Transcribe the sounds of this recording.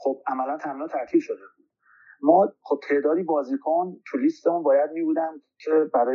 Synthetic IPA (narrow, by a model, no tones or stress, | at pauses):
χob̚ʔæmælænt̪ʰæminɔt̪ʰæɾt̪ʰiːbʃo̞d̪ebud̥̪̚ | mɒːχob̚t̪ʰe̞ʔd̪ɒːd̪iːbɒːziːkʰont̪ʰuliːst̪emuːnbɒːjæd̪̚miːbuːd̪ænd̪̥cʰebæɾɒː